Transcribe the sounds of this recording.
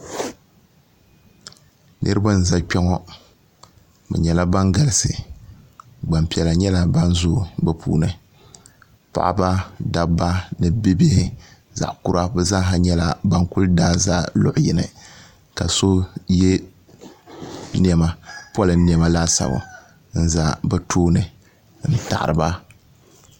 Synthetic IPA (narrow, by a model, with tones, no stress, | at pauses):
nʔɨ˦ɾɨ˦ba˦n̩˨za˦k͡pɛ˦ŋɔ˦ | bɨ̰˨ɲɛ˨la˦ba˦ŋɡa˨lɪ˨sɨ˨ | ɡ͡ba˨mpi˨ɛ˨la˨ɲɛ˦la˦ba˦nzʊ˦˨bɛ˨pʰṵː˦˨nɨ˨ | pa̰˨ʔba˦da˦ba˦nɨ˨bi˦bɪ˦hɪ˦ | za̰˨ʔku˦ɾa˦bɛ˦za˦ɦa˦ɲɛ˦la˨ba˦ŋku˦ldaː˦za˦lʊ˦ʔʊ˨ji˨nɨ˨ | ka˨so˦jɛ˦ | n˦˨ɛ˨˦ma˨pɔ˦lɨ˨˦nːi˨ɛ˨ma˦laː˦sa̰˨bo̰˨ | n̩˦za˦bɛ˦tʰoː˦nɨ˨ | n̩˦ta̰˨ʔɾɨ˨ba˦